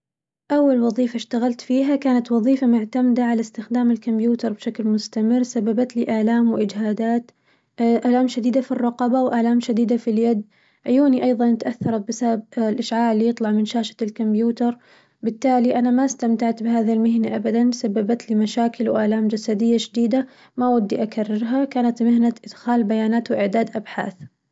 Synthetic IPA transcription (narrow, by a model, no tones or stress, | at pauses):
ʔawːalwɑðˤiːfaʃt̪aɣalt̪fiːɦakaːnat̪wɑðˤiːfamʊʕt̪amd̪aʕalast̪ɪxd̪aːmɪlkʊmbjuːt̪ɑɾˤbʃaklmʊst̪amɪrːsabːabat̪liʔalaːmwɪʔɪd͡ʒhaːd̪aːt̪ | ʔaːlaːmʃad̪iːd̪afirˤːɑqɑbawʔaːlaːmʃad̪iːd̪afiljad̪ | ʕʊjuːniʔɑjðˤɑnʔat̪aʔaθːɑɾˤɑbɪsabab̚lʔaʃʕaːʕlɪjɨt̪ˤlɑʕmɪnʃaːʃḁlkʊmbjuːt̪ɑɾˤ | bɪt̪ːaːliʔanamast̪amt̪aʕt̪bɪɦaːðalmɪɦnaʔabad̪ansabːabat̪limaʃaːkɪlwʔaʕlaːmd͡ʒasad̪ɪjːaʃd̪iːd̪a | maʔwad̪ːiʔakarːɪɾɦakaːnat̪mɪhnaʔɪd̪̥xaːlbajaːnaːt̪wɪʔɪʕd̪aːd̪ʔabħa̰ːθ